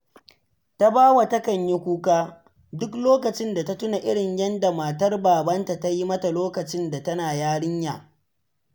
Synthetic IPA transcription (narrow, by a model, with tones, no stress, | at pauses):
ta˦baː˦wa˨tɐ˦kɐ˨ɲji˦kʷuː˦kaː˦ | dʊ˦kloː˦kɐ˨t͡ʃɪ˦nda˨ta˦tʊ˦na˨ʔɪ˦ɽɪ˨ɲjɐ˦nda˨ma˨tɐ˦rbaː˨bɐ˦nta˨ta˦ji˦mɐ˦ta˨loː˦kɐ˨t͡ʃɪ˦nda˨tɐ˦naː˨jaː˦ɽɪ˦ɲjaː˨